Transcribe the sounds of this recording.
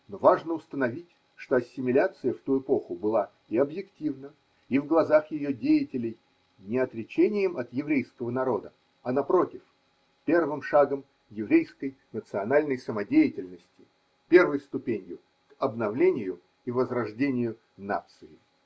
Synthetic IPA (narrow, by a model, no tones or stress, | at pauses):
no̞vaʐnəʊst̪ənɐvʲitʲ | ʂt̪o̞ɐsʲːɪmʲɪlʲat̪sɨjəft̪uɪpo̞xʊbɨlˠa | ɪɐbjɪktʲivnə | ivɡlˠɐzaxjɪjodʲejɪtʲɪlʲɪj | nʲɪɐt̪ɾʲɪt͡ɕenʲɪjɪmɐt̪jɪvɾʲejskəvənɐɾo̞d̪ə | ɐnɐpɾo̞tʲɪf | pʲe̞rvɨmʂaɡəm | jɪvɾʲejskəjnət̪sɨɐnalʲnəjsəmɐdʲejɪtʲɪlʲnəsʲtʲɪ̥ | pʲe̞rvəjst̪ʊpʲenʲjʊ | kɐbnɐvlʲenʲɪjʊ | ivəzrɐʐdʲenʲɪjʊ | na̰t̪sɨɪ